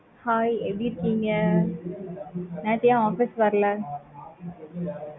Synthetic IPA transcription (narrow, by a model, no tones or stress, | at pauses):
haːjebiɾkːiŋɡɐ | nɛ̃ːt̪ijãːaːfɪsʋɐɾɐlɐ